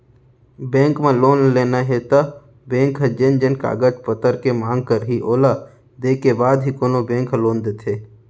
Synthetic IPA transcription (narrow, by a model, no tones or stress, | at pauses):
bẽːŋkmẽloːnleːnaɦet̪a | bẽːŋkɦd͡ʒɪnd͡ʒənka̰ːɡəd͡ʒpət̪əɾkemãːŋɡ̚kəɾɦiʔoːla | d̪eːkebaːd̪ɦikoːnobẽːŋkloːnd̪eːt̪ʰeː